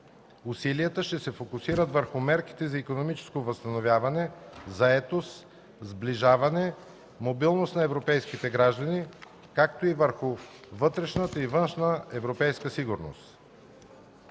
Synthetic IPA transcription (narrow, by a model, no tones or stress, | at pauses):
usiliət̪əʃt̪ɛsɛfokʊsiɾət̪vəɾxʊmɛɾki̥t̪ɛzɐikonomit͡ʃɛ̥skovəst̪ɐnovʲjavɐnɛzɐɛt̪os | zbliʒavɐnɛ | mobilˠnost̪nɐɛvɾopɛjskit̪ɛɡɾaʒd̪əni | kak̚t̪oivəɾxʊ | vɤt̪ɾɛʃnət̪əivənʃnəɛvɾopɛjskəsiɡʊɾno̰st̪